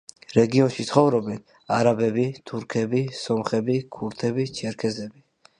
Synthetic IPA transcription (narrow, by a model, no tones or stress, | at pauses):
ɾɛɡiɔnʃit̪sχɔvɾɔbɛn | aɾabɛbit̪ʰuɾkʰɛbisɔmχɛbikʰuɾt̪ʰɛbit͡ʃʰɛɾkʰɛzɛbi